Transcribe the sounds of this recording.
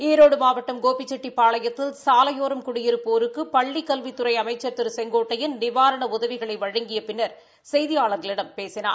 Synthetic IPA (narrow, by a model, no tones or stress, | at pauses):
eːɾoːɽɯmaːʋɐʈːɐmɡoːpːɪt͡ʃːɛʈːipːaːɭɐjɐt̪ːɪlsaːlɐjoːɾɐmkʊɽɪjɪɾɯpoːɾɯkːɯpɐɭːikːɐlʋɪt̪ːʊɾɐɪɐmɐɪt͡ʃːɐɾt̪ɪɾsɛŋɡoːʈːɐjɪnnɪʋaːɾɐɳɐʊðɐʋɪɣɐɭɐɪʋɐɻɐŋɡɪjɐpɪnːɐɾ | sɛjðɪjaːɭɐɾðɪlɪɽɐmpeːsɪna̰ː